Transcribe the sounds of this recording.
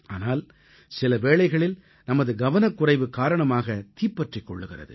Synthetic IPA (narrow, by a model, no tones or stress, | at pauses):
ʔaːnaːl | sɪlɐʋeːɭɐɪɣɐɭɪl | nɐmɐðɯɡɐʋɐnɐkːʊrɐɪʋɯkaːɾɐɳɐmaːɣɐt̪iːpːɐʈrɪkːɔ̰ɭːɯɣɪrɐ̰ðɯ̰